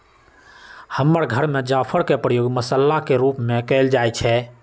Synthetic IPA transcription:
həmːəɾɡʱəɾmed͡ʒapʰəɾkepɾəjoɡməsəlːakeɾupmekəɪld͡ʒajt͡ʃʰɛ

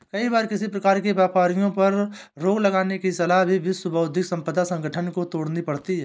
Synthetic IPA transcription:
kɐibaːɾkɪsipɾɐkaːɾkebaːpaːɾijõpɐɾː | oːɡləɡaːnekisɐlaɦbʱiʋɪswəbʱəːd̪ʱɪksə̃mpəd̪ʱasə̃ŋɡʱəʈʰənkot̪oːɽnipɐɽt̪iɦɛː

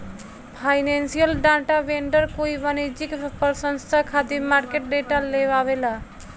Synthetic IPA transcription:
pʰajnensijəlɖãʈaʋẽɳɖəɾkoiʋanid͡ʒikpəɾsənst̪ʰakʰat̪imaɾkeʈ̚ɖeʈaleʋaʋela

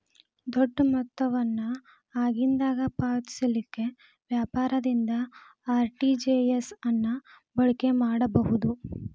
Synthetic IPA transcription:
d̪oɖːmɐt̪ːɐʋɐnːu | aːɡind̪aːɡɐpaːt̪i̥sɐlikːe̞ | ʋjaːpaːɾɐd̪ind̪ɐ | aːɾʈid͡ʒejesɐnːu | bɐɭike̞maːɽɐbɐɦud̪u

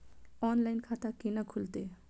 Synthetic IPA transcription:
ɔːnlaɪnkʰat̪akinakʰʊlt̪e

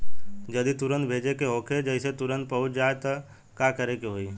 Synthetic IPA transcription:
d͡ʒɐd̪it̪ʊɾənt̪̚bʱeːd͡ʒekeɦoːkʰed͡ʒəɪset̪ʊɾə̃nt̪̚pəɦʊd͡ʒaːet̪ə | kakəɾekeɦoiː

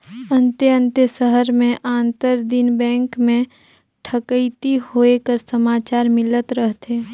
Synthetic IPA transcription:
ə̃nt̪eə̃nt̪əsəɦəɾmẽʔãːnt̪əɾd̪inbɛ̃ːŋkmẽ | ʈʰəkəit̪ihoekəɾsəmaːt͡ʃaːɾmɪlət̪ɾəɦt̪eː

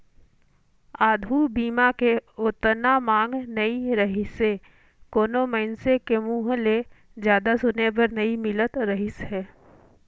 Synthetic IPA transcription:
aːd̪ʱubiːmakeʊt̪ənamãːŋɡnəiɾəɦɪse | koːnoməɪnsekemuːɦle | d͡ʒjaːd̪asʊnepəɾnəimɪlət̪ɾəɦɪsɦɛː

